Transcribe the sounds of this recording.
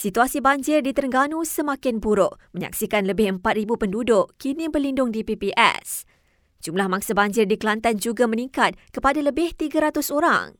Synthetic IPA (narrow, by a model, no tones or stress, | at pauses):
sit̪uasibaɲd͡ʒɪrdit̪əɾəŋɡanũsəmakɪnbuɾʊʔməɲa̰ksikanləbɪhəmpat̪̚ribupəndudʊʔkinĩbərlindʊŋdipipiʔɛ̰s | d͡ʒumlahmãŋsabaɲd͡ʒɪrdikəlant̪and͡ʒuɡamə̃niŋkat̪̚kəpadaləbɪht̪iɡaɾat̪ʊsoɾa̰ŋ